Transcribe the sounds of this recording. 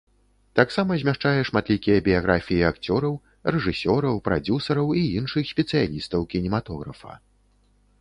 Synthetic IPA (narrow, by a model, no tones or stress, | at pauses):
t̪aksamɐzʲmʲaʂt͡ʂajɛʂmat̪lʲikʲijɐbʲijaɣɾafʲijiakt͡sʲɔɾɐw | rɛʐɨsʲɔɾɐwpɾa̰d͡zʲusɐɾɐwiinʂɨxsʲpʲɛt̪sɨjalʲist̪ɐwkʲinʲimat̪ɔɣɾɐ̰fɐ̰